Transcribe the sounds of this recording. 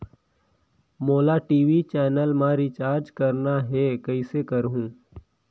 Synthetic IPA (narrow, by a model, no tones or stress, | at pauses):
moːlaʈiːʋit͡ʃɛːnəlmãɾɪt͡ʃaːɾd͡ʒkəɾnaɦɛkɐɪsekəɾɦũː